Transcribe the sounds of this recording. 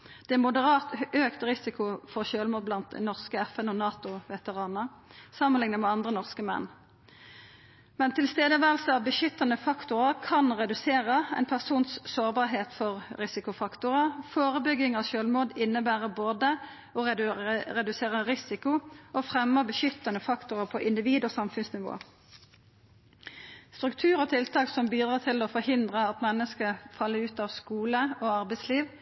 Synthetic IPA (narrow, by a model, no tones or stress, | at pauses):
d̪̥ɛmʊd̪əʁɑːt̪øːkt̪ʁɪsɪkʊfɔʁʃøːlmoːd̪blɑnt̪̚d̪ɛ̰nɔʁskəɛfɛnɔnɑːt̪ʊʋɛt̪əʁɑːnəʁ | sɑmːənlɪŋnəmɛɑnd̪ʁənɔʁskəmɛ̰nː | mɛnt̪ʰɪlst̪eːd̪əʋæːʁəl̩səɑʋbəʃʏt̪ːɑnəfɑkt̪ʊʁəʁkʰɑnʁɛd̪ʉseːʁəɛ̰ɪnpʰæʁsuːnssoːʁbɑːʁɦeːt̪fɔʁʁɪsɪkʊfɑkt̪ʊʁəfoːʁəbʏɡɪŋɑʋʃøːlmoːd̪ɪnːəbæːʁəboːd̪ə | ɔɛʁɛd̪ʉseːʁəʁɪsɪkʊʔofʁɛmːəbəʃʏt̪ːɑnəfɑkt̪ʊʁəpʰɔʔɪnd̪ɪʋiːd̪oːsɑmfʉnsnɪʋo̰ː | st̪ʁʉkt̪ʰʉːʁɔːt̪ʰɪlt̪ʰɑːksɔmbiːd̪ʁɑːt̪ʰɪlofɔhɪnd̪ʁəɑt̪mɛnːəskəfɑlːəʉːt̪ɑːʋskuːləoɑʁbɛɪsliːʋ